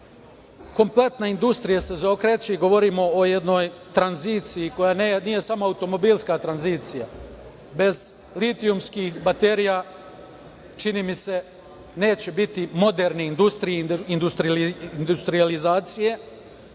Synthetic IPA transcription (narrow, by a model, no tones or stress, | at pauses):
ko̞mple̞t̪naind̪ust̪ɾijase̞zokɾet͡ɕeɡo̞ʋo̞ɾimo̞oje̞d̪no̞ːjt̪ɾanziːt̪sijiko̞jaːnnije̞samoaut̪o̞mo̞biːlˠskat̪ɾanziːt̪sija̰ | be̞z | lit̪iumskixbat̪e̞ɾija | t͡ʃiniːmise̞ | ne̞ːt͡ɕebit̪imo̞d̪eɾneind̪ust̪ɾijeind̪ust̪ɾiind̪ust̪ɾijalizaːt̪sije̞